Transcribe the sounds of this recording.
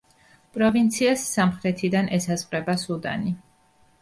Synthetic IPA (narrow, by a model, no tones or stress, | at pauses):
pʼɾɔvint̪sʰiasːamχɾɛt̪ʰid̪anʔɛsazqʼɾɛbasud̪a̰ni